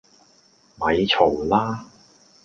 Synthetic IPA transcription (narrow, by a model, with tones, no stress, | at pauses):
mɐ˨˧jt͡sʰo˨˩wlaː˥